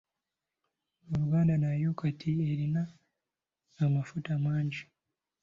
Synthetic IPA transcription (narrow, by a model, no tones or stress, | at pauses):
oɾuɡaːndanajokatʰieɾina | mafutamaːɲɟi